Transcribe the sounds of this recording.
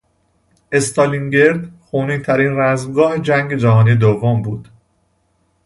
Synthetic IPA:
ʔe̞st̪ʰɒliŋɟe̞ɾd̪xoːniːt̪ʰæɾiːnræzmɡɒːhed͡ʒæŋɟe̞d͡ʒæɦɒːniːd̪ovːombuːd̪̥

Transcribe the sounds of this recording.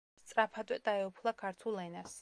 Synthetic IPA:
st̪sʼɾapʰad̪ʼwɛd̪aɛupʰlˠakʰaɾt̪ʰulːɛnas

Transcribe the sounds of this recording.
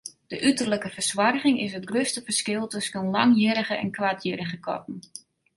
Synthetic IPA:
d̥əʔytərləkəfərswarɣɪŋɪsətɡrøstəfərskɪlˠtɵsənlaŋjəɾəɣəɛ̰nkwatʰjəɾəɣəkʰɔ̰tn̩

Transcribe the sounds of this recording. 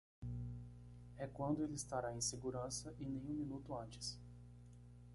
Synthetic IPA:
ɛkwɐ̃nd̪ʊelɪɪst̪aɾaẽj̃seɡuɾɐ̃sɐʔɪ̃nẽj̃ũmĩnut̪ʊɐ̃nt͡ʃ̪ɪ̥s

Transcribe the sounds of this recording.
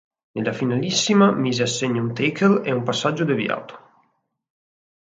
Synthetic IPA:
nelafinalisːimamizeasːeɲaunt̪ejkʰeleumpasːad͡ʒːod̪evj̰a̰t̪o̥

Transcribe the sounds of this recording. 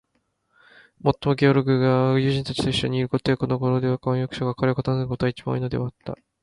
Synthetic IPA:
mo̞t̪ːo̞mo̞ɡʲeoɾoɡɯɡad͡ʑɨːʑĩnt̪at͡ɕi̥t̪o̞iɕːo̞̰ɲ̟iːɾɯko̞t̪eko̞no̞ɡo̞ɾod̪e̞βakõɰ̃jokɯ̥ɕoɡakaɾekot̪anɨɯko̞t̪oait͡ɕibã̰inod̪e̞at̪ːa̰

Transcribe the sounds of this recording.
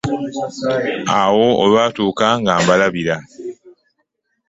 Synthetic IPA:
awo̞olwaːtuːkaŋɡaːmbalaβiɾa

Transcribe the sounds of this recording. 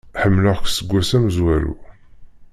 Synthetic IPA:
ħəmːlʊʁksəɡʷːæsæmzwælṵ

